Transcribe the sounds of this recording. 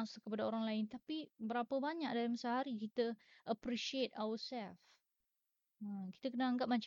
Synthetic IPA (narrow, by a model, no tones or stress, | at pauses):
ŋskəpadaoɾaŋlaɪnt̪apibəɾapəbaɲak̚daɾimasaɦaɾikit̪əʔəpɾiʃiet̚awəsɛlf | ə̃ki̥t̪akənaaŋɡap̚maɲt͡ʃ